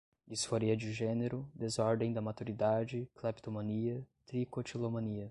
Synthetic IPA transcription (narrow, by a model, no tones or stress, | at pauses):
isfoɾiɐd͡ʒɪʒẽneɾʊd̪ezɔɾd̪ẽj̃d̪ɐmat̪uɾid̪ad͡ʒɪklapt̪omɐ̃niɐt̪ɾikot͡ʃilomɐ̃niɐ